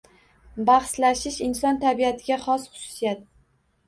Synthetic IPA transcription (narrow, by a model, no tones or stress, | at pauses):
baχslaʃɪʃɪnsɒnt̪ʰabiat̪ʰɪɡʲaχɒsχʊ̥sʊ̥sijat̪